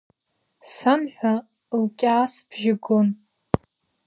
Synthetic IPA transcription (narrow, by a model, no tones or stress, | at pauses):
sanħʷᶣa | lkʲʼaːsbʰʒɪɡon